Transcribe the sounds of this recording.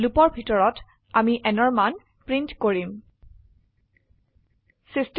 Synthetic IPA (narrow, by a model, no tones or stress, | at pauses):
lupɔɹbʱitɔɹɔt | amiʔɛnɔɹman | pɹintkoɹim | sist